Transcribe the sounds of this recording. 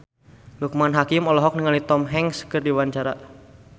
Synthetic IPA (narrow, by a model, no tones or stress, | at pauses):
luk̚manɦakimɔlɔɦɔk̚nəŋalit̪ɔmɦɛŋskɨrdiwaɲt͡ʃaɾa